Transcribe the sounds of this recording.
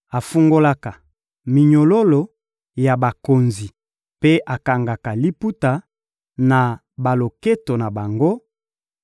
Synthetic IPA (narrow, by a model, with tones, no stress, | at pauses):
a˨fu˦ŋɡo˦la˦ka˨ | mi˨ɲo˨lo˦lo˨ | ja˨ba˨ko˨nzi˨ | pe˦ʔa˨ka˨ŋɡa˨ka˨li˦pu˦ta˨ | na˨ | ba˨lo˨ke˦to˨na˨ba˨ŋɡo˦